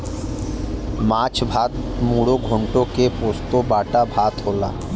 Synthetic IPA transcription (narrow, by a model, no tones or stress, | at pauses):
mat͡ɕbʱat̪muɽoɡʱoɳʈokepost̪obaʈabʱat̪ɦola̰